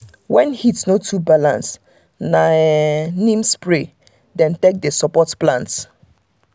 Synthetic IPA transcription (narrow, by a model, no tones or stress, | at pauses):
wɛ̃nhitnotʰubalã̰ns | nanĩmspɹe | dɛ̃ntek̚desɔpɔtplãnts